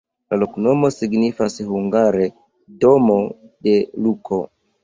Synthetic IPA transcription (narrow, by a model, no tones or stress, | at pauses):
lalo̞kno̞mo̞siɡnifashuŋɡaɾe̞ | do̞mo̞de̞lukʰo̞